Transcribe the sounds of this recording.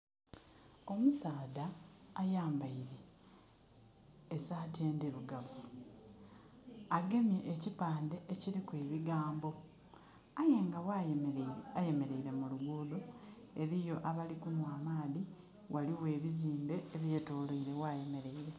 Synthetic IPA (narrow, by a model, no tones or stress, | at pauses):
o̞musaːdaːjaːmbaiɾe̞ | saːte̞ːndiɾuɡavu | aɡe̞mje̞ʔːcipaːnde̞ʔeciɾikwe̞ːβiɡaːmbo̞ | aje̞ːŋɡawa | aje̞me̞ɾe̞iɾe̞muluɡudo | e̞ɾijo̞ʔaβalikumwaːmaːði | wʔaliwe̞ːβiziːmbe̞ːβje̞ːtoːloiɾe̞waje̞me̞ɾe̞iɾe̞